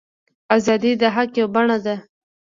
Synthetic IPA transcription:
azɑd̪id̪aɦakjewbaɳad̪a

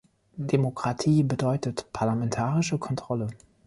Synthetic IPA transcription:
d̥emokʁ̥atʰiːbədɔʏtətpʰaɐlamɛntʰaːʁɪʃəkʰɔntʁ̥ɔlə

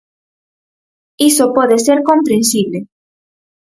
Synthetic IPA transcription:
isopɔðeseɾkompɾẽnsiβle

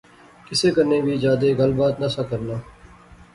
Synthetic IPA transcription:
kɪseːkəɾneːbʱiːd͡ʒaːd̪eːɡəlbaːt̪nəsaːkəɾnaː

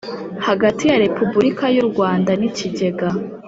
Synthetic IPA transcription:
haɡatijaɾe̞pubuɾikajuɾɡwaːndaniciɟe̞ɡa

